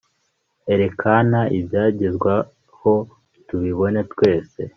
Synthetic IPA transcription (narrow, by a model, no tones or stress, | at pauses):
e̞ɾe̞kʰanaʔibjaːɟezɡwa | ho̞ | tuβiβo̞ne̞twe̞ːse̞